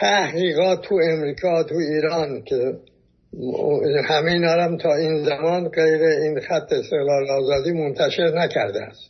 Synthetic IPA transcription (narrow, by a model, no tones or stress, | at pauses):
t̪ʰæhɡiːɣɒːt̪ʰːuemɾiːkʰɒːt̪ʰuiːɾɒːnkʲʰe | hæmenɒːɾæmt̪ʰɒːiːnzæmɒːnɡejɾeiːnxæt̪ʰːeːst̪e̞ɣlɒːlɒːzɒːd̪iːmont̪ʰæʃe̞ɾnækʰæ̰ɾd̪ææ̰st̪